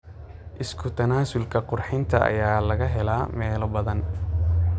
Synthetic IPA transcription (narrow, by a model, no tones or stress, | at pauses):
ʔɪskʰʊt̪ʰɐnaːsʊlkʰɐqʊrħɪnt̪ʰɐʔɐ̰jaːlɐɣɐɦɛlaːmɛːlɔbɐðɐn